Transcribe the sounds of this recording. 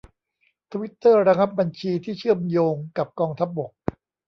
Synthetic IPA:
t̪ʰa˧wi˦˥t̪ːɤː˥˩ɾa˧ŋa˦˥p̚ba˧nt͡ɕʰiː˧t̪ʰiː˥˩t͡ɕʰɯ˥˩əmjoː˧ŋka˨˩p̚kɔː˧ŋt̪ʰa˦˥p̚bo˨˩k̚

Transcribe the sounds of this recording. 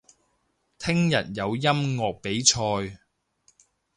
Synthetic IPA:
t̪ʰɪ˥ŋjɐ̰˨t̚jɐ˨˧wjɐ˥mŋɔː˨k̚pe˨˥jt͡ʃʰɔː˧j

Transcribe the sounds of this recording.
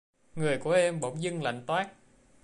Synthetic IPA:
ŋɨ˨˩əjku˧˩˦əʔɛ˧mɓo˧˩˦ŋ͡mzɨ˧ŋla̰˧˨jŋ̟t̪waː˦˥k̚

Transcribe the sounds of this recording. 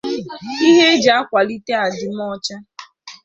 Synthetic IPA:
i˦ɦe˦d͡ʒa˨a˦kʷa˨li˦te˦a˨dɪ˨m̩˦ɔ˦t͡ʃa˦

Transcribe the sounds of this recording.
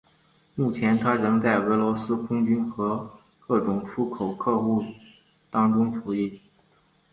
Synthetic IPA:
mu˥˩t͡ɕʰjɛ˧˥nt̪ʰa˥ɻɤ˧˥ŋt͡sa˥˩ɪwe˧˥lwɔ˧˥sɹ̩˥kʰʊ˥ŋt͡ɕy˥nxɤ˧˥ | kɤ˥˩ʈ͡ʂʊ˨˩ŋʈ͡ʂʰu˥kʰo˨˩ʊkʰɤ˥˧xu˥˩ | t̪ɑ˥ŋʈ͡ʂʊ˥ŋʈ͡ʂʰu˧˥i˥˩

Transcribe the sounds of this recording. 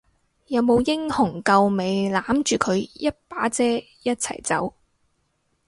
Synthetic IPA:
jɐ˨˧wmo˨˧wjɪ˥ŋhʊ˨˩ŋkɐ˧wme˨˧jlaː˨˥mt͡ʃyː˨kʰɵ˨˧ɥjɐ˥t̚paː˨˥t͡sɛː˥ | jɐ˥t̚t͡sʰɐ̰˨˩jt͡sɐ˨˥w

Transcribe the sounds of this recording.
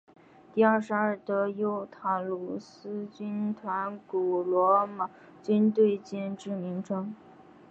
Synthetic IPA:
t̪i˥˧ɐ˞˥˩ʂɻ̩˧˥ə˞˥˩t̪ɤ˧˥jo˧˥ʊt̪ʰa˨˩lu˨˩sɹ̩˥t͡ɕy˥nt̪ʰwa˧˥nku˨˩lwɔ˧˥ma˨˩ | t͡ɕy˥nt̪we˥˧ɪt͡ɕjɛ˥˧nʈ͡ʂɻ̩˥˩mi˧˥ŋʈ͡ʂʰɤ˥ŋ

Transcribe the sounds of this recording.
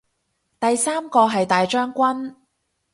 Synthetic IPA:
t̪ɐ˨jsaː˥mkɔː˧ɦɐ˨jt̪aː˨jt͡ʃœː˥ŋkʷɐ˥n

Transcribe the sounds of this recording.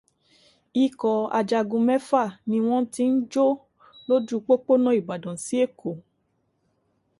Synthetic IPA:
i˨kɔ˨a̰˧d͡ʒa˧ɡũ˧mɛ˦fa˦˨nĩ˧w̃ɔ̃˦ti˧n̩˦d͡ʒo˦ | lo˦d͡ʒu˦k͡po˦k͡po˦nã˦i˨ba˨dɔ̃˨si˦e˦˨ko˨

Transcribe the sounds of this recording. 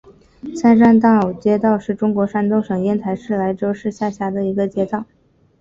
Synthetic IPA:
sʰa˥˧nʂa˥nt̪ɑ˥˩o˨˩ʊt͡ɕjɛ˥t̪ɑ˥˧ʊʂɻ̩˥˩ʈ͡ʂʊ˥ŋkwɔ˧˥ʂa˥nt̪o˥ʊʂɤ˨˩ŋjɛ˥˩nt̪ʰa˧˥ɪʂɻ̩˥˩la˧˥ɪʈ͡ʂo˥ʊʂɻ̩˥˧ɕja˥˩ɕja˧˥d̪ə˧i˧˥ɡə˧t͡ɕjɛ˥t̪ɑ˥˩ʊ

